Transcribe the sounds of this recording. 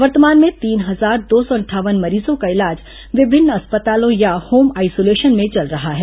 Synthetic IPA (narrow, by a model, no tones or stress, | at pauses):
ʋəɾt̪əmaːnmẽt̪iːnɦɐzaːɾd̪oːsɔɐɳʈʰaːʋənmɐɾiːzõkaɪlaːd͡ʒ | ʋɪbʱɪnːɐspət̪aːlõjahoːmaːɪsoːleːʃənmẽt͡ʃɐlɾɐɦaɦɛː